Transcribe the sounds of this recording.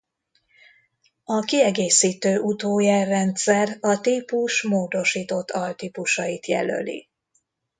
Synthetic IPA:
ɒkiɛɡeːsiːt̪øːʔut̪oːjɛrːɛnt̪sɛrɒt̪iːpuʃmoːd̪o̞ʃiːt̪o̞t̪ʰːɒlt̪iːpuʃɒjit̪jɛ̰lø̰lḭ

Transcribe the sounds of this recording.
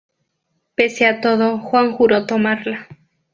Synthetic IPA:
peseat̪oðoxwaŋxuɾot̪omaɾla

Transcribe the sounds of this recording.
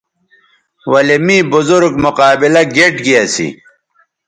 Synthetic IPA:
wɐlemiːbuzuɾɡmʊqaːbilɐɡeʈɡiɐsḭ

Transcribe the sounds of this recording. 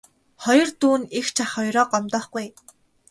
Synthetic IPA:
χɔjɞ̆rt̪uːnixt͡ɕʰaχɔjɾɔːqɔmt̪ɔːχɡuj

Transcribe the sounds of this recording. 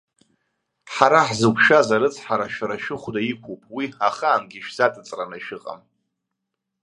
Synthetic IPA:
ħaɾaħzɨkʷʰʼʃazaɾɨt͡sʰħaɾaʃᶣaɾaʃɪχʷdajikʷʰopʼwiaχaːnɡʲiʃᶣz̥atʼɨt͡sʼranaʃɪqʼa̰m

